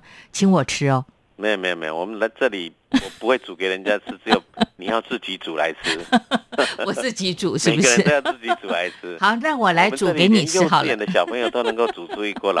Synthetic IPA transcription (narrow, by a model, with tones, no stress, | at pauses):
t͡ɕʰi˧˥ŋwɔ˨˩ʈ͡ʂ̩ʰ˥ɔ˥˧ | me˥˨me˧˥˩mḛ˧˩˨wɔ˨˩mə˦nla˧˥ɪʈ͡ʂɤ˥˩li˨˩ | wɔ˨˩pu˧˥xwe˥˩ɪt͡su˨˩ke˧˥ɪɻə˧˦nt͡ɕja˥t͡sʰɹ̩˥t͡sɹ̩˧˥jo˨˩ʊni˨˩jɑ˥˧ʊt͡sɹ̩˥˩t͡ɕi˧˥t͡su˨˩la̰˧˥ɪt͡sʰɹ̩˥ | wɔ˨˩ɹ̩˥˩t͡ɕi˧˥ʈ͡ʂu˨˩˦ʂɻ̩˥˩˨bu˩˧ə˧˦ʂɻ̩˥˩˧jɑ˥˧˩ɹ̩˥˩t͡ɕi˧˥t͡su˨˩la˧˥ɪt͡s̩ʰ˥xɑ˨˧˦ʊna˥˩wɔ˨˩la˧˥ɪʈ͡ʂu˨˥˧ke˧˥ɪni˨˩t͡sʰɻ̩˧˥xɑ˨˩ljɛ˨nd̪ə˦ɕjɑ˨˩ʊpʰə˧ŋjo˨ʊo˥ʊnɤ˧˥ŋko˥˩ʊt͡su˨˩t͡su˥˧i˥˧kwɔ˥˩lə̰˧